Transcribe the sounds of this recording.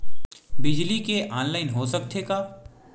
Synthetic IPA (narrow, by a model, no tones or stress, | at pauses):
bɪd͡ʒlikeʔaːnlaːɪnɦosɐk̚t̪ʰekaː